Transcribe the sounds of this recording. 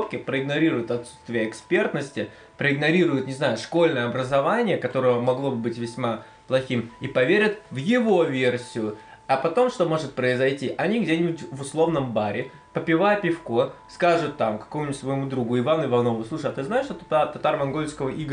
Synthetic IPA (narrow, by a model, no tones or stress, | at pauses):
pkʲɪpɾəɪɡnɐɾʲiɾʊjʊt̪ɐt̪sːu̥t̪st̪vʲɪjəɪkspʲe̞rt̪nəsʲtʲɪ | pɾəɪɡnɐɾʲiɾʊjʊt̪nʲɪznajʊʂko̞lʲnəjəɐbɾəzɐvanʲɪjəkɐt̪o̞ɾəjəmɐɡlˠo̞bɨbɨtʲvʲɪsʲma | plˠɐxʲimipɐvʲeɾʲət̪vjɪvo̞vʲersʲɪjʊ | ɐpɐt̪o̞mʂt̪o̞mo̞ʐɨt̪̚pɾəɪzɐjtʲiʔɐnʲiɡdʲenʲɪbʊtʲvʊslˠo̞vnəmbaɾʲɪ | pəpʲɪvajəpʲɪfkoskaʐʊt̪ːamkɐ̥komʊnʲtʲsvəjɪmud̪ɾuɡʊɪvanʊɪvɐno̞vʊslˠuʂəat̪ɨznaɪʂt̪ot̪t̪at̪ɐt̪armɐnɡolʲskəvəʔiɡ